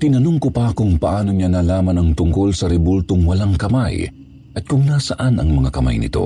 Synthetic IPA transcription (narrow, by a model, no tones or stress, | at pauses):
t̪ɪnɐnoŋkopɐkʊŋpɐʔaːnoɲanaːlaːmɐnɐŋt̪ʊŋko̞lsɐɾɛbolt̪oŋwɐlaŋkɐmaj | ʔɐt̪̚kʊŋnaːsɐʔanɐ̰ŋmɐŋakɐma̰jnɪ̰t̪o̞̰